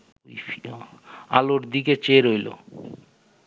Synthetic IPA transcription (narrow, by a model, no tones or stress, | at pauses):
ojfi | a̰loʈd̪iket͡ɕeɾojlo̰